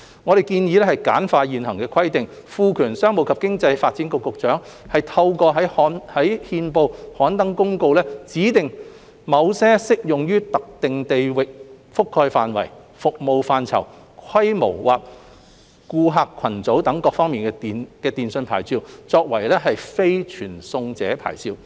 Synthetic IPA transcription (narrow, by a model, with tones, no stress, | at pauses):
ŋɔː˨˧ɾe˨jkiː˧njiː˨˧lɛ˥hɐ˨jkaː˨˥nfaː˧jiː˨nɦɐ˨˩ŋkɛː˧kʰɐ˥jt̪ɪ˨ŋ | fuː˧kʰyː˨˩nsœː˥ŋmo˨˧wkʰɐ˨p̚kɪ˥ŋt͡sɐ˧jfaː˧t̚t͡siː˨˥nkʊ˧kːʊ˨k̚t͡ʃœː˨˥ŋ | hɐ˨jt̪ʰɐ˧wkɔː˧ɦɐ˨˥jɔ˨˥nhɐ˨˥jhiː˧npo˧whɔː˨˥nt̪ɐ˨˥ŋkʊ˥ŋko˧wlɛː˥t͡siː˨˥t̪ɪ˨ŋ | mɐ˨˧wsɛː˥sɪ˥k̚jʊ˨ŋjyː˥t̪ɐ˨k̚t̪ɪ˨ŋt̪e˨jwɪ˨k̚ | fʊ˥kʰːɔː˧jfaː˨nwɐ̰˨˩j | fʊ˨k̚mo˨˧wfaː˧nt͡sʰɐ̰˨˩w | kʰɐ˥jmo̰˨˩wwaː˨p̚ | kuː˧ɦaː˧kʰɐ˨˩nt͡so˨˥wt̪ɐ˨˥ŋkɔː˧k̚fɔː˥ŋmiː˨nkɛ˧iː˨nkɛː˧t̪iː˨nsɵ˧npʰa̰ː˨˩jt͡siː˧wt͡sɔː˧k̚wɐ˨˩jlɛː˥ɦɐ˨jfe˥jt͡ʃʰyː˨˩nsʊ˧ŋt͡sɛ̰ː˨˥pʰa̰ː˨˩jsiː˧w